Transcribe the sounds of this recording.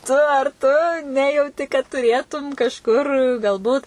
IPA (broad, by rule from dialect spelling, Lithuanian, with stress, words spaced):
ˈtʊ ɐr tʊ ˈnʲæːjɛʊtʲɪ kɐt tʊˈrʲeːtʊm kɐʃˈkʊr ɡɐlˠˈbuːt